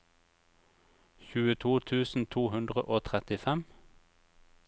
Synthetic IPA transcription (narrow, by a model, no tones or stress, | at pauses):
çʉːət̪ʰuːt̪ʰʉːsn̩t̪ʰuːhʉnd̪ʁəʔoːt̪ʰʁɛt̪ɪfɛm